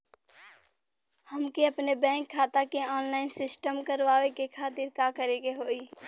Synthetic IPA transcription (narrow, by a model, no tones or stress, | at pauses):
həmkeɐpnebɛ̃ːŋkʰːaːt̪akeɔːnlaːɪnsɪsʈəmkəɾʋaːʋekekʰaːt̪ɪɾkaːkəɾeɡeɦoːiː